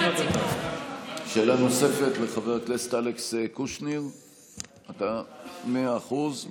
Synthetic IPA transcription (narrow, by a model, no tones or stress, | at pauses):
ʃe̞ːlano̞se̞fe̞tleχaveʁtlest̪aleksekuʃniʁ | atameaːχuz